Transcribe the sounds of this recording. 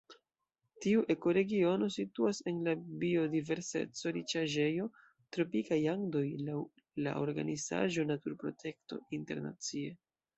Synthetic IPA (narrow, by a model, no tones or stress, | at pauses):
tiuʔe̞ko̞ɾe̞ɡio̞no̞situase̞nlabio̞dive̞ɾse̞̰t͡so̞ɾit͡ʃaʒe̞jo̞ | tɾo̞pikajaŋdo̞jlaw | la̰ʔo̞ɾɡa̰niza̰ʒo̞natuɾpɾo̞̰tʰe̞kto̞̰inte̞ɾna̰t͡sie̞